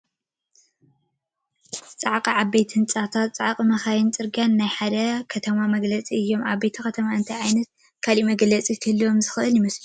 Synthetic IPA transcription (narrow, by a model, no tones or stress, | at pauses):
t͡sʼaʕqʼiʕaβejt̪hɨnt͡sʼat̪ʰat̪t͡sʼaʕqʼimɐxajɪnt͡sʼɨɾɡanːajħad̪ɐkʰɐt̪ʰɐmamɐɡlɐt͡sʼiɨjːo̞ma̰βːejt̪ʰixɐt̪ʰɐmaɨnt̪ʰajʕajnɐt̪̚ | kʰalimɐɡlɐt͡sʼik̪ʰɨhlːiwomzɨxɨʔɨljɪmɐslu